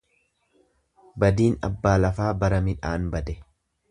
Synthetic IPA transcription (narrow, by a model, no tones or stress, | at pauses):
bɐd̪iːnɐ̰bːaːlɐfaːbɐɾɐmɪᶑa̰ːnbɐd̪ɛ